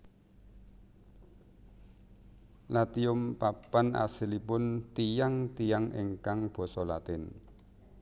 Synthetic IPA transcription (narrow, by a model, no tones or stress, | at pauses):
lat̪iʊmpapanʔa̰silipʊnt̪ijaŋt̪ijaŋɪ̰ŋkaŋb̥ɔ̤sɔla̰t̪ɪn